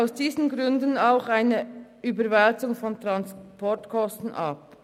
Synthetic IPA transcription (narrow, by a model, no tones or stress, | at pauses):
aʊsd̥iːzən̩ɡʁʏndənaʊxaɪnə | yːbəɾvɛlt͡sʊŋfɔntʁ̥anspʰɔtkʰɔstn̩ʔɑp